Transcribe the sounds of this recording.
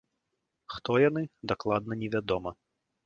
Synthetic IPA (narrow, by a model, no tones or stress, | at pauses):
xt̪ɔjanɨd̪aklˠad̪̚nɐnʲɛvʲad̪ɔmɐ